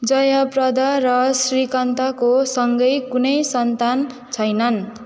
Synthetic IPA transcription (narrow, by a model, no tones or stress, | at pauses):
d͡zʌjaprʌd̪arʌsrikʌnt̪akosʌŋɡʌjkunʌjsʌnt̪an | t͡sʰʌjnʌn